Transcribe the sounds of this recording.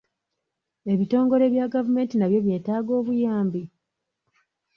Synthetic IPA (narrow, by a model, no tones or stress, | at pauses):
e̞βito̞ːŋɡo̞ɾe̞βjaːɡavume̞ːntinaβjo̞βje̞ːtaːɡo̞ːβujaːmbi